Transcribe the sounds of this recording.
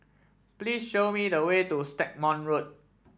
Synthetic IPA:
plisʃomidəwetustɛk̚mɔ̃nɹot̚

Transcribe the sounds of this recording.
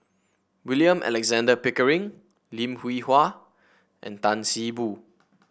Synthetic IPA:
wiliə̃mʔɛ̰lɛkzãndəpikəɹĩŋ | lĩmhwihwa | ʔɛ̰̃ntãnsibu

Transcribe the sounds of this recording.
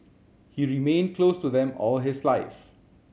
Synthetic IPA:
hiːɹimẽːnd̚kʰloːstuðɛ̃mɔ̰ːlɦɪslaɪf

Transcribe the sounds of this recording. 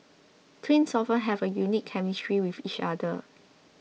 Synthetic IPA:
tʰwĩnsɔfə̃nɦɛvəjunikʰːɛmistɹiwivit͡ʃa̰də

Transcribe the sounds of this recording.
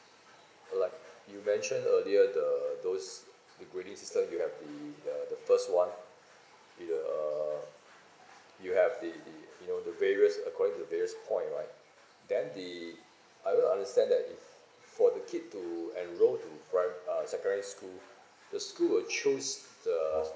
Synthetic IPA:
laɪk̚jumɛ̃nʃə̃nəliədədos | dəɡɹeɾĩŋsistə̃mjuhɛvdədədəfəstwãn | jʌ | juhɛvdijunodəveɹiəsəkʰɔɾɪ̃ŋtudəveɹiəspʰɔ̃ɪ̃ntɹa̰ɪt̚ | dɛ̃ndi | ʔajwəã̰ndəstɛ̃ndɛtifː | ɔdəkʰit̚tːuɛ̃nɹotupɹãɪmʌsɛkəĩskul | dəskulwəlt͡ʃʰosd̥ə

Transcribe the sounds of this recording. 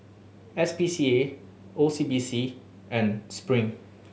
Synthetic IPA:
ɛsbisie | osibisi | ɛ̃nspɹĩŋ

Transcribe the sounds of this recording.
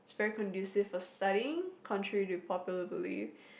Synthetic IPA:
ɪtsvɛɹikʰə̃ndʉsɪv̥fəstʌɾiɪ̃ŋkʰɔ̃nt͡ʃɹ̥əɹiɾɨpʰɔpjl̩ˠəbɪlḭf

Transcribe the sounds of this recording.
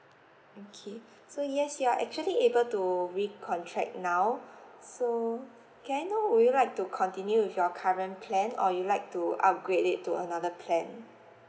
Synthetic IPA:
okʰe | sojɛsjuaʔɛk̚t͡ʃuəliebəltuɹikʰɔ̃ntʰɹɛ̰k̚nawso | kɛ̃najnowujulaɪk̚tukʰɔ̃ntĩnjuwɪfjɔkʰaɹə̃npʰlɛ̃nɔjulaɪk̚tuʔa̰p̚ɡɹedɪtʰːuə̰nadəpʰlɛ̃n

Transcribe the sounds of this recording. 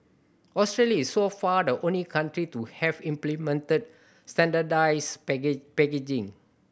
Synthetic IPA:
ɔstɹeljaisːofadəʔõnlikãntɹituhɛvĩmplimɛ̃ntəd̚ | stɛ̃ndadajspɛked͡ʒĩŋ

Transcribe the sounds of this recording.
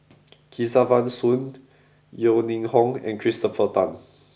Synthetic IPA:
kʰisavãnsũn | jonĩŋhɔ̃ŋɛ̰̃nkʰɹistəfətãn

